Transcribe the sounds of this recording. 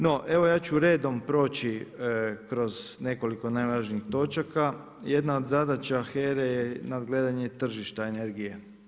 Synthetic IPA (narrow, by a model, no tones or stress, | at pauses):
no̞ʔeʋo̞jaːt͡ɕuɾe̞ːd̪o̞mpɾo̞ːt͡ɕi | kɾo̞zne̞ko̞liko̞naːjlaːʒniːxt̪o̞t͡ʃaka | je̞d̪naod̪zad̪at͡ɕeaxeːɾejenad̪ɡleːd̪aɲet̪r̩ʒiʃt̪aeneɾɡije